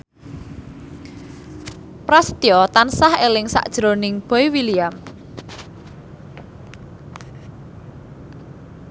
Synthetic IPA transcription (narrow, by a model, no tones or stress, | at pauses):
pɾast̪iɔt̪ansahelɪŋsa̰ʔd̥ʒ̥ɾo̤nɪŋb̥ɔ̤iwiliam